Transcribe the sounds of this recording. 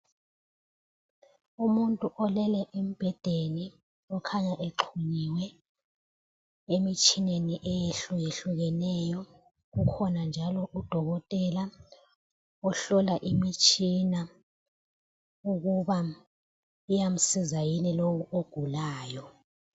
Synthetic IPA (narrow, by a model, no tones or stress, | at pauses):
umuntʼuʔɔlɛlɛʔemib̥ʱɛd̥ʱeni | ɔkʰaɲaʔeǃʰuɲiwɛ | emit͡ʃʼineniʔɛjeɬujeɬuɣɛnɛjɔ | ɣukʰɔnand͡ʒʱalɔʔud̥ʱɔɣɔtʼɛla | ɔɬɔlaʔimit͡ʃʼina | uɣuβa | ujam̩sizajinilowuʔoɡ̥ʱulaːjɔ